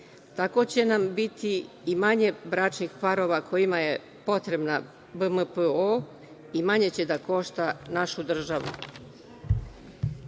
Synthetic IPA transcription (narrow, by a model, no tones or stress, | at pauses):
t̪ako̞t͡ɕe̞nambit̪i | imaɲe̞bɾaːt͡ʃnixpaɾo̞ːʋakʰo̞imaje̞ | po̞t̪ɾe̞bna | bəməpəo | imaɲe̞t͡ɕe̞d̪ako̞ʃt̪anaʃud̪r̩ʒaʋṵ